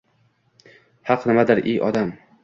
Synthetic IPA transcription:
hɑqnɪmad̪ɪɾʔejʔɒ̰d̪am

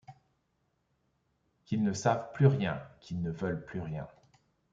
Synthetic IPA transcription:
kʲilnəsavplyʁjɛ̃kʰʲilnəvœlplyʁjɛ̃

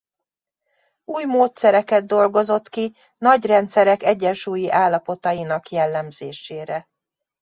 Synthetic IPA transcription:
uːjmoːt̪sɛɾɛkɛd̪ːo̞lɡo̞zo̞t̪ki | nɒɟrɛnt̪sɛɾɛkɛɟːɛnʃuːjiʔaːlːɒpo̞t̪ɒjinɒkjɛlːɛmzeːʃeːɾɛ

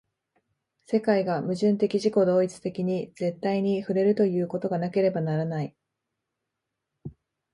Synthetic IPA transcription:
se̞kaiɡamɯ̟ʑɨ̃nt̪e̞kʲiʑiko̞d̪o̞ːit͡sɨ̥t̪e̞kʲiɲ̟iz̥e̞t̪ːaiɲ̟iɸɯ̟ɾe̞ɾɯ̟t̪o̞jɯ̟ːko̞t̪o̞ɡanake̞ɾe̞banaɾanai

